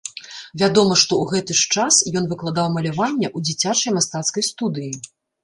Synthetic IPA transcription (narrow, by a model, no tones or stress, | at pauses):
vʲad̪ɔmɐʂt̪ɔwɣɛt̪ɨʂt͡ʂasjɔnvɨklˠad̪awmɐlʲavanʲːɐʔud͡zʲit͡sʲat͡ʂɐjmast̪at̪skɐjst̪ud̪ɨji